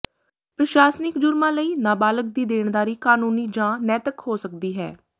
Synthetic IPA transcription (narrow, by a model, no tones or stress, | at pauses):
pɾəʃaːsnɪkd͡ʒʊɾmãːləiːnaːbaːlək̚d̪iːd̪eːɳd̪aːɾiːkaːnuːniːd͡ʒãːnɛːt̪əkhoːsək̚d̪iːɦɛ̰ː